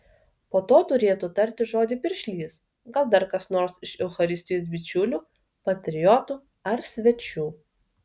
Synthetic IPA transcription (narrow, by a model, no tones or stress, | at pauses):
poːt̪oːt̪ʊɾʲeːt̪ut̪ɐɾʲt̪ʲɪʒoːd̪ʲɪpʲɪɾʲʃʲlʲiːs | ɡɐlˠd̪ɐɾkɐsnoːɾsɪʃɛʊxɐɾʲɪsʲt̪ʲɪjoːs̬bʲɪt͡ʃʲʊlʲuː | pɐt̪ʲɾʲɪjɔt̪uː | ɐɾsʲʋʲɛt͡ʃʲuː